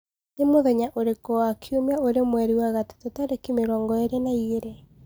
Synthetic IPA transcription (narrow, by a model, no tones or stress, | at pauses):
nemoðɛɲaʔoɾekɔakʰiomeaoɾemwɛɾiwaɣate̥totaɾekimeɾɔːŋɡɔeɾenaieɾe